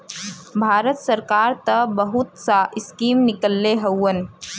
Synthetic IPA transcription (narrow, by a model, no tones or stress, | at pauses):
bʱaːɾət̪səɾkaːɾt̪əbəɦʊt̪saɪskiːmnɪkəlːeɦɐwːən